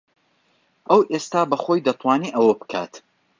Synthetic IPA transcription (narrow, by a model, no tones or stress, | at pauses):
ʔɐwʔest̪aːbɐxojd̪ɐt̪ˤʰwaːniːʔɐwɐbɨ̥kʰa̰ːt̪